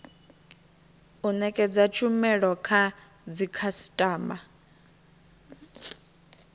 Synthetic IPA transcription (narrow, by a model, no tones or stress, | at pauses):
unɛkʼɛd͡zat͡ʃʰumɛɺɔkʰa | d͡zikʰasi̥tʼaːmba